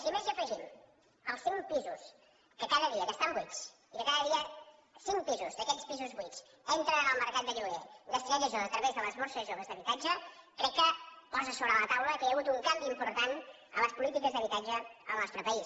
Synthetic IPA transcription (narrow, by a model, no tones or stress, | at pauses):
simeziəfəʒim | əlˠsiŋpizus | kəkaðəðiəkəst̪ambwit͡s | ikəkaðəðiə | siŋpizuzd̪əkɛt͡spizuzβwit͡s | ent̪ɾəəlˠməɾkat̪̚d̪əʎuβeɡəst̪iɾɛʒəʒoət̪ɾəβezðələzβɔsəzʒoβəzðəβit̪ad͡ʒəkɾɛkːəpɔzəsoβɾələt̪awləkiəɣut̪uŋkambiːmpuɾt̪an | ələspulit̪ikəzðəβit̪ad͡ʒəəlˠnɔst̪ɾəpəis